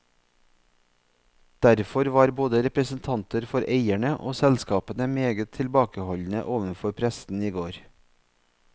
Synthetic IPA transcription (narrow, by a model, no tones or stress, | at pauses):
d̪̥æɾfɔɾʋɑːɾboːd̪əɾɛpɾəsn̩t̪ʰɑnt̪əɾfɔɾeɪæɳəʔo̰ːsɛlskɑːpənəmeːɡət̪ʰɪlbɑːkəhɔʎn̩ə̰ʔoːʋənfɔɾpʰɾɛsn̩iːɡoːɾ